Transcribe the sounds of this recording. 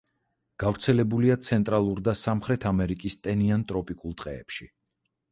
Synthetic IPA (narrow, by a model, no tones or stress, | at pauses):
ɡ̥avɾt̪sʰɛlɛbuliat̪sʰɛnt̪ʼɾalˠuɾd̪asamχɾɛt̪ʰamɛɾikʼist̪ʼɛniant̪ʼɾɔpʼikʼulˠt̪ʼqʼɛːpʃi